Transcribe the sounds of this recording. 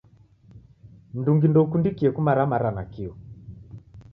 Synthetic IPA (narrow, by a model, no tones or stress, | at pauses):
n̩duŋɡindɔukundikiɛkumaɾamaɾanakiu